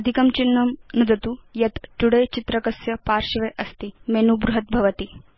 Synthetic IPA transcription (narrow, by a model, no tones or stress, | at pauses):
əd̪ʱikɐmt͡ɕinːɐmnud̪ɐt̪ujɐt̪ʈuɽet͡ɕit̪ɾəkɐsjɐpaɾɕiʋeʔɐst̪iːmenubɾuɦət̪̚bʱɐʋət̪iː